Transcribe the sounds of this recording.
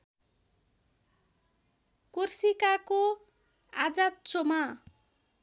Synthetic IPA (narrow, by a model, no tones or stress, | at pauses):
kursikako | ad͡zat̪̚t͡soma